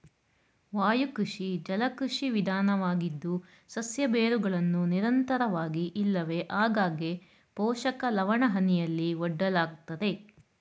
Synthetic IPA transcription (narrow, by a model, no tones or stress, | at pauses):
ʋaːjukɾuʂid͡ʒɐlɐkɾuʂiʋid̪ʱaːnɐʋaːɡid̪ːu | sɐsjɐbeːɾuɡɐɭɐnːuniɾɐnt̪ɐɾɐʋaːɡiʔilːɐʋe̞ʔaːɡaːɡe | pɔːʃɐkɐlɐʋɐɳɐɦɐnijɐlːiɔɖːɐlaːɡt̪ɐd̪e̞